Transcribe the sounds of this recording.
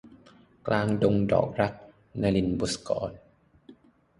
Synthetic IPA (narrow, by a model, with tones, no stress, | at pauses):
klʔaː˧ŋdo˧ŋdɔ̰ː˨˩k̚ɾa˦˥k̚ | na˧jli˧nbu˨˦˥skɔ̰ː˨˦n